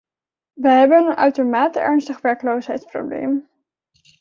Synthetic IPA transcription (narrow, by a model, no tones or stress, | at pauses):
ʋəɦɛbənənʔœ̰ɥtomaːtəɛɹnstəχʋɛɹklowsɦɛjtspro̰wblḛjm